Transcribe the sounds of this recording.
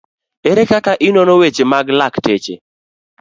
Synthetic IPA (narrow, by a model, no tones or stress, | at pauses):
eɾekakaʔɪnɔnɔwet͡ʃemaɡlaktet͡ʃḛ